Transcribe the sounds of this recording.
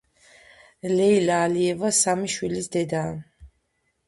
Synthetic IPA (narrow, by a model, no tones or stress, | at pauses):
lɛilaːliɛvasamiʃwilisd̪ɛd̪aː